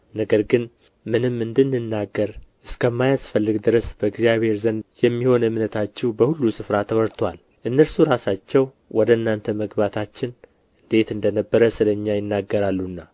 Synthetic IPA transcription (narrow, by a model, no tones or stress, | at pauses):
nəɡəɾɡɨn | mɨnɨmːɨnd̪ɨnːɨnːaɡːəɾʔɨskʰəmːajasfəlːɨɡd̪ɨɾəsb̥əɨɡzjaβhe̞ɾzənjɛmːiho̞nɨmnət̪ʰat͡ʃːɛwbəhulːusɨfɾat̪ʰəwɔɾt̪ʰwal | ʔɨnːəɾsuɾasat͡ʃːɛw | wɔd̪əɨnːant̪ʰəməɡbat̪ʰat͡ʃːɪn | ɨnd̪e̞t̪ɨnd̪ənəbːəɾəsɨləɲːajɪnːaɡːəɾalːunːa